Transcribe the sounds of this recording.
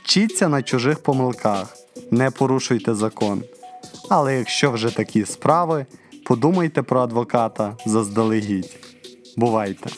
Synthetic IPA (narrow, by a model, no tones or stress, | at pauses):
t͡ʃit͡sʲːɐnɐt͡ʃʊʒɪxpɔmɪlˠkʰɑx | nɛpɔɾuʃʊjt̪ɛzɐkɔnɐlˠɛjɐkʃt͡ʃɔwʒɛt̪ɐkʲispɾɑʋɪpɔd̪umɐjt̪ɛpɾɔɐd̪ʋɔkɑt̪ɐzɐzd̪ɐlˠɪɦitʲ | bʊʋɑjt̪ɛ̰